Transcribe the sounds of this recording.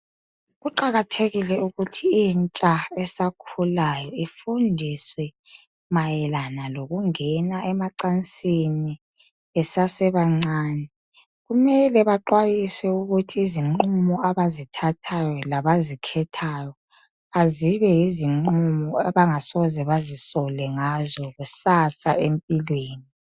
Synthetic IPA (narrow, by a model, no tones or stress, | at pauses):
ɣuǃaɣatʰeɣilɛuɣutʰiint͡ʃʼaɛsakʰulajɔifundʱiswɛ | majɛlanaloɣuŋɛnaʔɛmaǀant͡sʼini | ɛsasɛβaŋ͡ǀaːnɛ | ɣumɛlɛβaǃwajiswɛuɣutʰiːziŋ͡ǃumɔaβazitʰatʰajɔlaβazikʰɛtʰajɔ | aziβɛjiziŋ͡ǃumɔaβaŋasɔzɛβazisɔlɛŋazɔɣusasa̰empʼilweːni